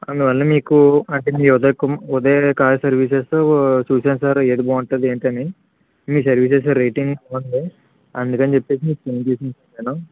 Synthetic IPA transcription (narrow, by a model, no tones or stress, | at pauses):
ɐnd̪uʋɐlːɐmiːkuɐɳʈe̞ːmiːɔd̪ɐkumɔd̪eːkaːɾɐsɐɾʋiːs̬est̪oːt͡ʃuːseːnsaːɾeːd̪iboːɐɳʈɐd̪eːɳʈɐni | miːs̬ɐɾʋiːses̬ɐɾɾejʈiŋɡɐmɐnd̪i | ɐnd̪ukɐnit͡ʃepːe̞ːs̬imiːkupent͡ʃeːsint͡ʃɐneːnu